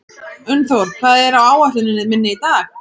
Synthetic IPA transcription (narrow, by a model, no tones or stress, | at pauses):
ʏnːθowɾkʰvaːðɛɾawaːwaht̪ʏnɪnɪðmɪnːɪit̪aːx